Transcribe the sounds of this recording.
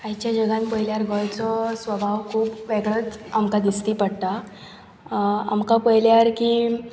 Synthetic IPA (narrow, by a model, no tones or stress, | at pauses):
ajt͡ɕjad͡ʑəɡãnpəjljaɾɡɔjt͡sɔsʋəbʱaʋkʰuːpʋeɡɭət͡samkad̪ist̪iːpəɽt̪a | a̰mkapəɦjljaɾkiː